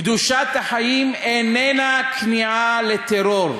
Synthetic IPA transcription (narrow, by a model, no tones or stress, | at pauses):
d̪uʃat̪haħajimenenakniʕalet̪eɾoɾ